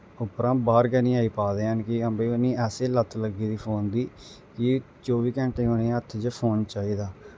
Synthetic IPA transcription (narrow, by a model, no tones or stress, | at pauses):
ʊpɾãːbaːɾkənĩːaːiːpaːd̪eːɦənkɪəmbeiːʊnĩːɛːseːlət̪ːləɡiːd̪iːpʰoːnd̪iː | kɪ | t͡ʃoːʋiːkɛ̃ːɳʈẽːonẽːət̪ʰːd͡ʒəpʰoːnt͡ʃaːiːd̪aː